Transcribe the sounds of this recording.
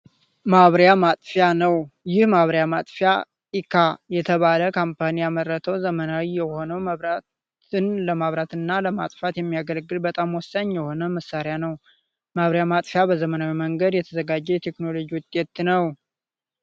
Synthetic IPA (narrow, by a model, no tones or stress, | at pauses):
maβɾjamat̪ʼfjanəwjɪhmaβɾjamat̪ʼfja | ikʰajɛt̪ʰəβaləkʰampʰanijamərːət̪ʰəwzəmənawijɛho̞nəwməβɾa | ɨnləmaβɾat̪ɨnːaləma̰t̪ʼfat̪jɛmːijaɡəlɡɨlbət̪ʼamwɔsːəɲːjɛho̞nəməsːaɾejanəw | maβɾjamat̪ʼfjabəzəmənawiməŋɡəd̪jɛt̪ʰəzəɡad͡ʒːɛjɛt̪ʰe̞kno̞lo̞d͡ʒiwʊt̪ʼːet̪nəw